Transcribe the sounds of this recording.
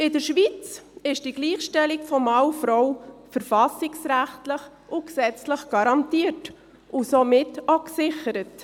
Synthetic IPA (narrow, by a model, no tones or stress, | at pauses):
ɪdəɾʃʋit͡sɪʃd̥iɡ̥liːχʃtɛlɪkfɔmɑwfɾɔwfəɾfɑsɪksɾæχtləχ | ʔʊksɛt͡sləχɡ̥ɑɾɑntiːət | ʔʊsomɪtoksɪχəɾət